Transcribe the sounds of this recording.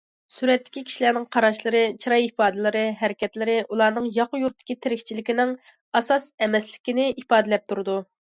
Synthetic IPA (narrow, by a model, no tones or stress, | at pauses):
syɾɛt̪ːɪ̥kʲikʲi̥ʃilæɾnɪŋqʰɑɾɑʃlˠɨɾɨt͡ʃʰiɾɑjipɑːd̪ɨlˠɨɾɨɦɛɾɪkʲʰɛt̪lɪɾɪʔulˠɑːnɨŋjɑqʊjuɾt̪ʰːɪ̥kʲit̪ʰɪɾɪkʲt͡ʃʰilɪkʲinɪŋ | ɑsɑsɛmɛslɪ̥kʲɪnɪʔipɑːd̪ɪlɛp̚t̪ʰuɾɨd̪u